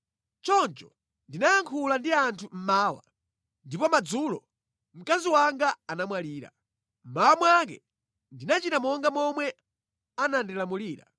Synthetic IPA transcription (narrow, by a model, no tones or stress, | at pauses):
t͡ʃɔnt͡ʃɔ | ndinajaŋkʰulandiantʰum̩maːwa̰ | ndipɔmad͡zulɔ | m̩kaziwaŋɡaanamwaliːɾa̰ | m̩mawamwak̬ɛ̰ | ndinat͡ʃitamɔŋɡamɔmwɛ | anandilamuliːɾa̰